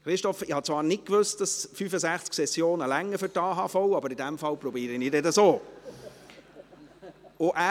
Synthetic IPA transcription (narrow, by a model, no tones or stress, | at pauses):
χɾɪstɔfɪhɑt͡sʋɑːɾnɪt̚kʋøst̚d̥ɑsfyfəzæχt͡sksɛsjoːnəlæŋːəfʏɾtɑːɦɑːfɔʊɑbəɾɪdæmfɑlpɾɔbiːɾinɪdɛtəsoː | ʊʔæː